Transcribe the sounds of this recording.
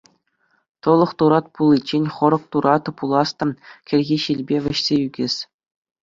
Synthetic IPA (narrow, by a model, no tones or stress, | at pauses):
t̪ɤ̆lˠɤ̆χt̪uɾɑt̪̚pulʲˠːit͡ɕːenʲχɤ̆ɾɤ̆k̚t̪uɾʔɑt̪pulˠɑst̪ɤ̆nkʲɘ̆lʲɣʲiɕilʲbʲeʋ̆ʲɘ̆ɕsʲeyɡʲesʲ